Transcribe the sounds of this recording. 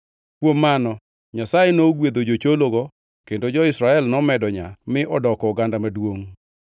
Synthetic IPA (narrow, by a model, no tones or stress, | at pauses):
kwomːanɔ | ɲasajenoɡwed̪od͡ʒot͡ʃoloɡɔ | kendod͡ʒɔɪsɾaɛlnɔmɛdɔɲamɪʔɔdɔkɔːɡandamadwoŋ